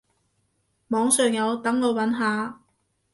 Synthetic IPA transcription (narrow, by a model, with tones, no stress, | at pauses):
mɔː˨˧ŋsœː˨ŋjɐ˨˧wt̪ɐ˨˥ŋlo˧wwɐ˨˥nɦaː˨˧